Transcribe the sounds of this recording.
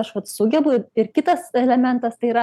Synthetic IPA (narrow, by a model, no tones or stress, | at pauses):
ɐʃʋɐt̪sʊɡʲɛbʊɪrkʲɪt̪ɐsɛlʲɛmʲɛnt̪ɐst̪ɐɪiːɾɐ